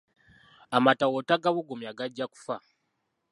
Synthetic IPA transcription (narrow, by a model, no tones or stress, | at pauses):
amatawotaɡaβuɡumjaɡaɟːaku̥fa